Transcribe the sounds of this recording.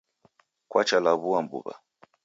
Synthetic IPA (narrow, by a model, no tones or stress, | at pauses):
kwat͡ʃalaβuambṵβa̰